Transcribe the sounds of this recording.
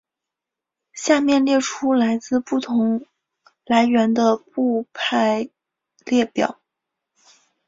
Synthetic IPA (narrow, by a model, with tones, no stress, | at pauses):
ɕja˥˧mjɛ˥˧nljɛ˥˩ʈ͡ʂʰu˥la˧˥ɪt͡sɹ̩˥˧pu˥˩t̪ʰʊ˧˥ŋ | la˧˥ɪɥɛ˧˥nd̪ə˧pu˥˧pʰa˥˧ɪ | ljɛ˥˩pjɑ̰˨˩˦